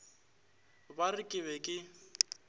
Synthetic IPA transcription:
barɪkʼɪβɛkʼɪ

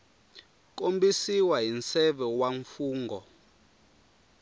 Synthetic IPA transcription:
k̬ʼombisiwaɦint͡sɛɓɛwaɱfuːŋɡʱɔ

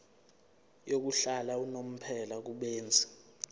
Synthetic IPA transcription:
jok̬uɬalaunom̩pʰɛlak̬uɓeːnd͡zʱɛ̥

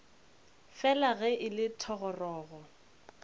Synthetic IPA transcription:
fɛlaɣɛʔɪlɪtʰɔɣɔrɔːɣɔ

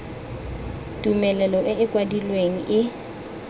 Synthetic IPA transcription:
tʼumɛlɛlɔʔɪɪkʼwadilweŋ̩ʔɪ

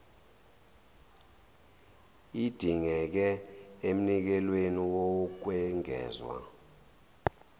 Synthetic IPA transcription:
id̥ʱiŋɛk̬ɛem̩nik̬ɛlweniwɔk̬wɛŋɛ̰ːzwa̰

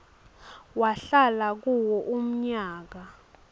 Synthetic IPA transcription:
waɬalak̬uwɔʔum̩ɲaːk̬a

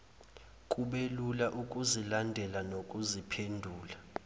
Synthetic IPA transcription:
kʼuɓelulaʔukʼuzilandʱɛlanokʼuzipʰendʱuːla

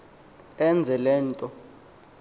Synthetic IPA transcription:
ɛnd͡zʱɛlɛːntʼɔ

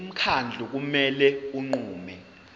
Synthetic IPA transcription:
m̩kʰand͡ɮʱuk̬umɛlɛuŋ͡ǃuːmɛ

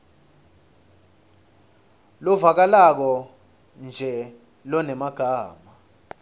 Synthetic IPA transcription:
lɔvak̬alak̬ɔ | nd͡ʒʱɛ | lɔnɛmaɡ̥ʱaːma

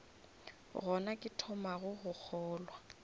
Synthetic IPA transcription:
ɣɔnakʼɪtʰɔmaɣʊɣʊk͡xʰɔːlwa

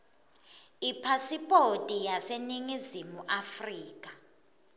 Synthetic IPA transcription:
ipʰasipʼotʼijaseniŋizimuʔafriːk̬ʼḁ

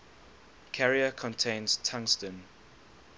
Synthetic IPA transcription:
kʰɛɹiəkʰɔ̃ntʰẽɪ̃nz̥tʰãŋstə̃n

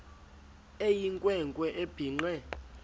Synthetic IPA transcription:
ejiŋkʼwɛŋkʼwɛʔeb̥ʱiŋ͡ǃɛ

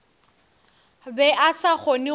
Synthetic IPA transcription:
bɛʔasaχɔnɪ

